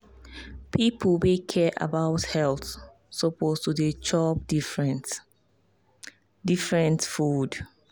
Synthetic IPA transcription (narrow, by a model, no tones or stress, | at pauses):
pʰipʰlwekʰɛʔa̰baʊthɛlθ | sopʰostudet͡ʃɔp̚d | difɹɛ̃ntfud